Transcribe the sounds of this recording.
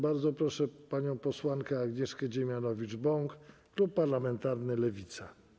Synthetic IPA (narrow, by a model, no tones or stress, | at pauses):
baɾd̪zɔpɾɔʂɛpaɲɔ̃w̃pɔswankɛaɡɲɛʂkɛd͡ʑɛmʲjanɔvʲid͡ʐbɔŋkklupːaɾlamɛnt̪aɾnɘlɛvʲit̪sa